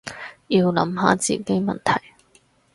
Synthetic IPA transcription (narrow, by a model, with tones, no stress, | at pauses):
ji˧wlɐ̰˨˧˥mɦa̰ː˨˥t͡sḭː˨˩ke˥jmɐ˨nt̪ʰɐ˨˩j